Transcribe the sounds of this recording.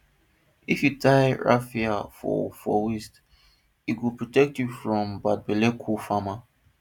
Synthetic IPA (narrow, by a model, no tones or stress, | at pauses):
ifjutʰaɪɹa̰fiafɔ̰fɔwist | iɡupɹɔtɛk̚tjufɹɔ̃mbad̚bɛlekʰufama